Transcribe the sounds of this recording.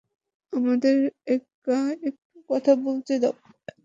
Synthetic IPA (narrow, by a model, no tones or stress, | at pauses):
amad̪eɾɛkː | aek̚ʈukɔt̪ʰabolt͡ɕʰed̪a